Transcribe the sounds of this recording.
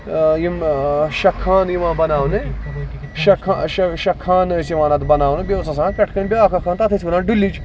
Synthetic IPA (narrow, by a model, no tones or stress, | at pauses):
jimʃɐkʰːaːnjiʋãːbɐnaːʋne | ʃɐkʰːaʃɐʃɐkʰːaːnsiʋãːnɐt̪bɐnaːʋunebʲeusɐs̬ãːpʲɛʈʰkɐnʲbʲeaːkʰɐkʰaːnt̪ɐt̪ʰɐsbɐnãːnɖulːid͡ʒ